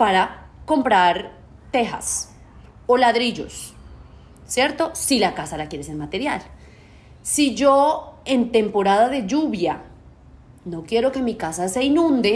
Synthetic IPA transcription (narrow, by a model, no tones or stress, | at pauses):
paɾako̞mpɾaɾ | t̪e̞xa̰s | o̞laðɾiʝo̞̰s | sje̞ɾt̪o̞silakasalakje̞ɾeseɾmat̪e̞ɾjal | siʝo̞e̞nt̪e̞mpo̞ɾaðaðe̞ʝuβja | no̞kje̞ɾo̞ke̞mikasase̞inũnd̪e̞